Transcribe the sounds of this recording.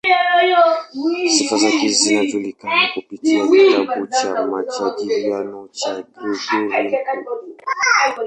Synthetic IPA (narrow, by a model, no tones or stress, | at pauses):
sifazakizinad͡ʒulikanakopitiakitabut͡ʃamat͡ʃadilianɔt͡ʃaboduɾi